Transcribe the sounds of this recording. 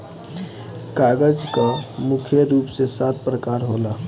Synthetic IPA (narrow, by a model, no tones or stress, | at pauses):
kaɡəd͡ʒkamukʰjəɾupsesat̪̚ʰpɾəkaɾɦola